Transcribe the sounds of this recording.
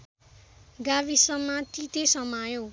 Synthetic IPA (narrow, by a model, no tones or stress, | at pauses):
ɡaβisʌmːat̪it̪esʌmajo